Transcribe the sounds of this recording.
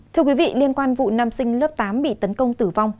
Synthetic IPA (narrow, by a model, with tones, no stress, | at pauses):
t̪ʰɨ˧əkwi˨˦vḭ˧˨li˧ənkwaː˧nvṵ˧˨naː˧msï˧ŋ̟lə˦˥p̚t̪aː˨˦mɓḭ˧˨t̪ə˨˦nkə˧wŋ͡mt̪ɨ˧˩va˧wŋ͡m